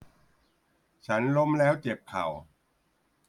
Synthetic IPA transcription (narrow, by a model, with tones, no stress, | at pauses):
t͡ɕʰa˦˥nlo˦˥mlɛː˦˥wt͡ɕe˨˩pʰːa̰˨˩w